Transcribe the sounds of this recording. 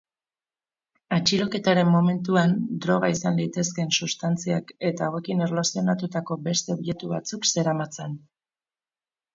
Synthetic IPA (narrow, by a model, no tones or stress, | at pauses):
at͡ʃiɾo̞ke̞t̪aɾe̞mːo̞me̞nt̪uand̪ɾo̞ɣ̞aisanlit̪e̞ske̞nsust̪ant͡siake̞t̪aːwe̞kine̞rlosio̞nat̪ut̪ako̞be̞st̪e̞oβje̞t̪uβat͡sukse̞ɾamat͡sen